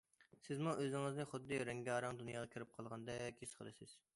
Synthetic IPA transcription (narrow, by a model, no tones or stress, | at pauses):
sɪzmuʔøzɪŋɨznɪχʊd̪ːɨɾɛŋɡʲɑːɾɑŋd̪unjɑːʁɑkʲʰøɾp̚qʰɑlˠʁɑnd̪ɑkʲʰeʃqʰə̰lˠɨsɪz̥